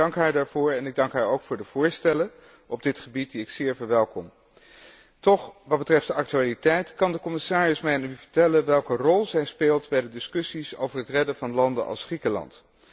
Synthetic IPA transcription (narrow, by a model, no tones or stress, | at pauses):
ɑŋkɦaːɹdaːɹv̥ʊːɹɛnɪɡ̚dɑŋkɦaːɹowkfʊːɹdəv̥ʊːɹstɛlə | ɔb̚dɪtχəbit̚diɪksɪːɹvəɹʋɛlˠkɔm | tɔχʋɑt̚bətrɛftd̥əʔɑk̚tyaːlitɛjtkɑndəkɔmɪsaːɹəsmɛjnyvəɹtɛlənʋɛlˠkərɔlˠzɛjspeːlˠtbɛjdədɪskɵsiso̰wvəɹɦətrɛdəvɑnlɑndə̰nʔɑ̰lˠsχrikəlɑ̰nt